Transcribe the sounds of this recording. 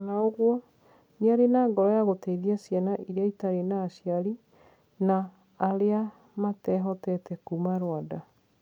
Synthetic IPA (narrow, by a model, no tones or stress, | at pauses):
naoɣwɔ | neaɾenaːŋɡɔɾɔjaɣotɛiðiasjanaʔiɾeaitaɾenaːɕjaɾi | naː | ɾea | matɛɦɔtɛtɛkumaɾwada